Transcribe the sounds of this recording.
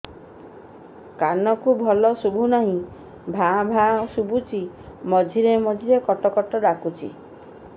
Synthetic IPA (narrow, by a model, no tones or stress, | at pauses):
kanɔkubʱɔlɔsubʱunaɦĩ | bʱabʱãsubʱut͡ʃʰi | mɔd͡ʒʱiɾemɔd͡ʒʱiɾekɔʈɔkɔʈɔɖakut͡ʃʰḭ